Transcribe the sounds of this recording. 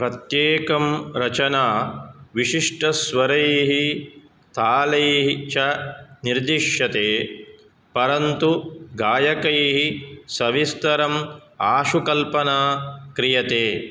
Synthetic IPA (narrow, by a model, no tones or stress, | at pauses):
pɾɐt̪jeːkɐmɾɐt͡ʃɐnaːʋiʂiʂʈɐsʋɐɾɐjɦi | t̪ʰaːlɐjɦit͡ʃɐniɾd̪iʂjɐt̪eː | pɐɾɐnt̪uɡaːjɐkɐjɦisɐʋist̪ɐɾɐmaːʃukɐlpɐnaːkɾijɐt̪eː